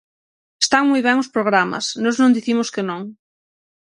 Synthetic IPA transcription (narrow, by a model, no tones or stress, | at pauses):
est̪aŋmujβ̞ɛŋʊspɾoɣɾamɐ̰snoznõnd̪iθimʊskɪnõŋ